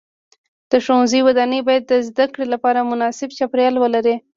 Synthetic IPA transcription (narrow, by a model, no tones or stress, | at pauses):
d̪̥əʃonziwad̪ɑnəbɑjad̪ːəzd̪akɽelapɑɾamʊnɑsɪbt͡ʃapɾjɑlwəlaɾe